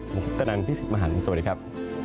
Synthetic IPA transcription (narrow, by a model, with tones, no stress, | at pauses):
mu˨˦kʰu˦˥t̚t̪ʰːa˧na˧npʰiː˥si˨˩t̪̚ma˧ɦaː˨˩˦ni˧˦soː˧də˦˩kʰa˦˥p̚